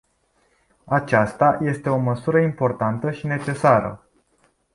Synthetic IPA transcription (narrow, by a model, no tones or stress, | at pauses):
at͡ʃast̪aje̞st̪e̞o̞məsuɾəimpo̞rt̪ant̪əʃine̞t͡ʃe̞saɾə̰